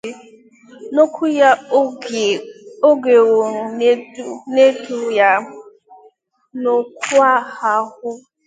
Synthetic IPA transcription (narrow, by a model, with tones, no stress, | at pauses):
no˦kʰu˦ja˦˨ | o˦ɡe˨wo˨ɾu˨˦ne˦tu˦ja˦ | no˦kʷu˦a˦ha˦hʊ˦